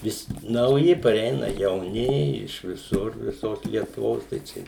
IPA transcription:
ˈʋʲɪs nɐʊˈjɪ pɐrʲɛɪˈnɐ jɛʊˈnʲɪ ɪʃ ʋʲɪˈsʊr ʋʲɪˈsoːs lʲiɛtʊˈʋoːs tɐɪ ˈt͡ʃʲɛ

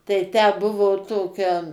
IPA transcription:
tɐɪ tʲæː ˈbʊʋoː ˈtoːkʲɛ

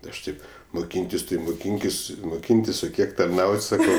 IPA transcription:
ˈɐʃ ˈtɐɪp mʊˈkʲiːnʲtʲɪs tɐɪ mʊˈkʲiːŋʲkʲɪs mʊˈkʲiːnʲtʲɪs oː ˈkʲiɛk tɐrˈnɐʊtʲ sɐˈkɐʊ

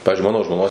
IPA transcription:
ˈpɑːʋʲɪzʲd͡ʒʲʊɪ ˈmɑːnoː ʒmoːˈnoːs

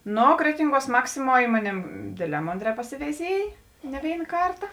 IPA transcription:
ˈnoː ˈkrʲæːtʲɪŋˌɡuɔs ˈmɑːksʲɪˌmuɔ ˈɪ moːˌnʲeːm ˈdʲeːdʲˌlʲɛː ˈmoːnʲˌdʲrʲɛː pɐsʲɪʋʲɛɪˈzʲiɛj nʲɛ ˈʋʲeːɪn ˈkɐrtɐ

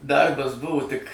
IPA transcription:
ˈdɐrbɐs ˈbʊʋoː tʲɪk

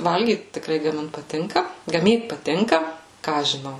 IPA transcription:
ˈʋɐlʲɡʲiːt tʲɪkˈrɐɪ ɡɐˈmʲɪnt pɐˈtʲɪŋkɐ ɡɐˈmʲiːt pɐˈtʲɪŋkɐ ˈkɑː ɐʃ ʒʲɪˈnɐʊ

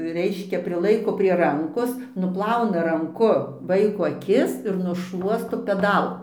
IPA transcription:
ˈrʲɛɪʃʲkʲɛ pʲrʲɪˈlˠɐɪkoː pʲrʲiɛ ˈrɐŋkoːs nʊˈplˠɐʊnɐ rɐŋˈkʊ ˈʋɐɪkoː ɐˈkʲɪs ɪr nʊʃˈlˠuɔstoː pʲɛˈdɐlˠ

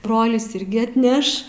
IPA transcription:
ˈbroːlʲɪs ˈɪrʲɡʲɪ ɐtʲˈnʲɛʃ

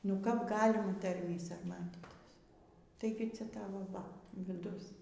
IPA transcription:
nʊ kɐp ˈɡɑːlʲɪmɐ ˈtɐrʲmʲiː sɐrˈmɑːtʲiːtʲɪs tɐɪˈɡʲɪ ˈt͡sʲɛ ˈtɑːʋoː ˈʋɐ ʋʲɪˈdʊs

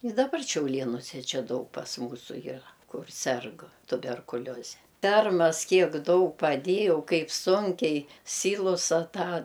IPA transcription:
ɪ dɐˈbɐr ʃʲɛʊˈlʲeːnʊsʲɛ ˈt͡ʃʲɛ ˈdɐʊk pɐs ˈmuːsʊ jiːˈrɐ ˈkʊr ˈsʲɛrk tʊbʲɛrkʊˈlʲoːzʲɛ ˈfʲɛrmɐs ˈkʲiɛk ˈdɐʊk pɐˈdʲeːjɛʊ ˈkɐɪp ˈsʊŋʲkʲɛɪ ˈsʲiːlˠʊsɐ ˈtɑː

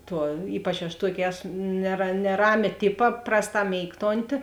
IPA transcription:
ˈtuɔ ˈiːpɐt͡ʃ ɐʃ ˈtuɔkʲeː ˈæːsʊ nʲɛrɐ nʲɛˈrɑːmʲeː ˈtʲɪpɐ ˈprɑːsˌtɑː ˈmʲeːɪktoːnʲtʲɪ

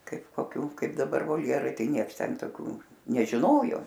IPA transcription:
ˈkɐɪp koːˈkʲuː ˈkɐɪp dɐˈbɐr ʋoːlʲˈjæːrɐɪ ˈtɐɪ ˈnʲiɛks ˈtʲɛn toːˈkʲuː nʲɛʒʲɪˈnoːjoː

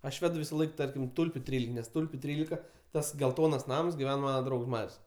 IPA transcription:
ɐʃ ˈʋʲæːdʊ ʋʲɪsɐˈlˠɐɪk ˈtɐrʲkʲɪm ˈtʊlʲpʲʊ ˈtʲrʲiːlʲɪkɐ nʲɛs ˈtʊlʲpʲʊ ˈtʲrʲiːlʲɪkɐ ˈtɐs ɡʲɛlˠˈtoːnɐs ˈnɐms ɡʲɪˈʋʲɛn ˈmɑːnɐ ˈdrɐʊks ˈmɐrʲsʲ

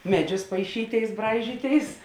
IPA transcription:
ˈmʲæːˌd͡ʒʲʊs pɐɪˈʃʲiːˌtʲeːɪs ˈbrɐɪʒʲiːˌtʲeːɪs

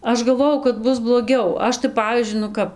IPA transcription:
ˈɐʃ ɡɐlˠˈʋoːjɛʊ kɐt ˈbʊs blˠoːˈɡʲɛʊ ˈɐʃ tɐɪ ˈpɑːʋʲiːzʲd͡ʒʲʊɪ nʊ ˈkɐp

